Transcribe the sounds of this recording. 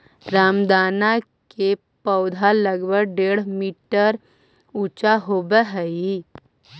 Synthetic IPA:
ɾamd̪ana | ke | pəwd̪ʱaləɡbəɡɖeɽ̤miʈəɾ | ut͡ɕaɦobəɦəi

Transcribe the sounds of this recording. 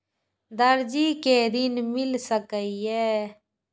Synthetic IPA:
d̪əɾd͡ʒiːkeːd̪ɪnmɪlsəkəiɛː

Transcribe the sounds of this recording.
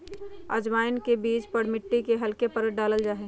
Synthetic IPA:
ə̰d͡ʒmaːɪnkebiːt͡ʃpəɽmɪʈːikeɦɐlkepəɾəɖaːləld͡ʒaːɦe

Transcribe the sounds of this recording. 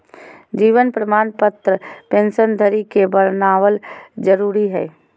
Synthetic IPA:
d͡ʒiːʋənpɾəmaːnpət̪ɾəpẽːnʃənd̪ʱəɾikebəɾnaːʋəld͡ʒəɾuːɾiɦɛ̰ː

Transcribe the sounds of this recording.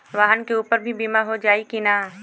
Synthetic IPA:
ʋaːɦənkeuːpəɾbʱibiːmaɦod͡ʒaːikinaː

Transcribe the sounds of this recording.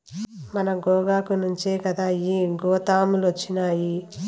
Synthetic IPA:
mɐnɐɡɔːɡaːkunuɲt͡ʃeːkɐd̪aːiːɡɔːt̪aːmulot͡ʃːinaːji

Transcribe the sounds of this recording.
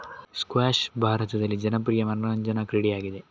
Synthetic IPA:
skwaːʂbʱaːɾɐt̪ɐd̪ɐlːid͡ʒɐnɐp̬ɾijɐmɐnɐɲd͡ʒɐnɐkɾiɽijaːɡid̪e

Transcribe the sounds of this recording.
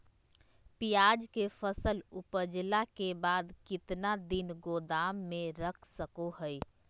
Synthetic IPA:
pijaːd͡ʒkefʰəsəlʊpəd͡ʒlakebaːd̪kɪt̪nad̪ɪnɡoːd̪aːmːẽɾəkʰsəkoɦəj

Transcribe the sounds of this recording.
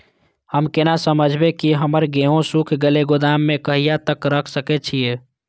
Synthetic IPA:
həmkenasəməd͡ʒʱbekiɦəməɾɡeɦõsukʰɡeleɡod̪amːekəɦijat̪əkɾəkʰsəkɛt͡ʃʰije

